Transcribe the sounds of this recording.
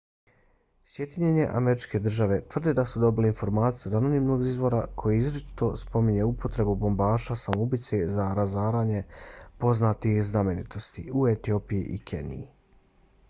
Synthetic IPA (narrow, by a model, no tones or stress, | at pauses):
sje̞d̪iɲeɲe̞ʔa̰me̞ɾit͡ʃke̞d̪r̩ʒaʋe̞t̪ʋr̩d̪ed̪asud̪o̞bileinfo̞ɾmaːt̪sijud̪ano̞nimno̞ɡizʋo̞ɾakʰo̞jiizɾt͡ʃi̥t̪o̞spo̞miɲe̞upʰo̞t̪ɾe̞bubo̞mbaːʃasamubit̪se̞zaɾazaːɾaːɲe̞po̞znaːt̪ixzname̞nit̪o̞st̪iuet̪io̞pijiʔikʰḛnḭji